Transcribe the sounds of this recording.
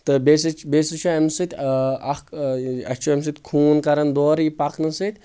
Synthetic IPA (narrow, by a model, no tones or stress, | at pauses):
t̪ɨbesɨt͡ʃbeːsɨt͡ʃʰoɐmsɨt̪ʲɐkɐt͡ʃʰoɐmsɨt̪ʲkʰuːnkɐɾɐnd̪oːɾipɐknɐsɨt̪ʲ